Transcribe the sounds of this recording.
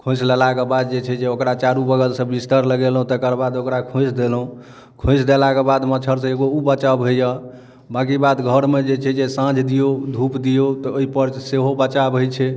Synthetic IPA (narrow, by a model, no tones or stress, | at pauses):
kʰõsləlakebad̪̚d͡ʒet͡ʃʰɛd͡ʒeokɾat͡ʃaɾubəɡəlsə̃bist̪əɾləɡelɦũt̪əkəɾbad̪okɾakʰõsd̪elɦũ | kʰõsd̪elakebad̪mət͡ʃʰəɾsẽeɡoubət͡ʃabʱəjə | bakibad̪ɡʱəɾmed͡ʒet͡ʃʰɛd͡ʒesãd͡ʒʱd̪ijod̪ʱupd̪ijot̪ɔoɦipəɾseɦobət͡ʃabʱojt͡ʃʰɛ